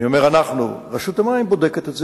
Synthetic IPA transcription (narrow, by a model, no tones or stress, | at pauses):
io̞me̞ʁanaχnṵʁeʃut̪amajmbo̞d̪eket̪etz